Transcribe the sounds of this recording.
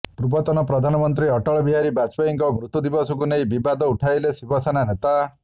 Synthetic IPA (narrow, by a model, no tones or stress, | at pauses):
pɾubɔt̪ɔnɔpɾɔd̪ʱanɔmɔnt̪ɾiɔʈɔɭɔbiɦaɾibat͡ʃpaiŋkɔmɾut̪ːud̪ibɔsɔkunejbibad̪ɔuʈʰajlesibɔsananet̪a